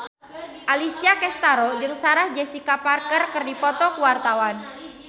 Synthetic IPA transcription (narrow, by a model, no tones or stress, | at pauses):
ʔalisiakɛst̪aɾod͡ʒɨŋsaɾahd͡ʒɛsikaparkərkɨrdipɔt̪ɔkuwart̪awan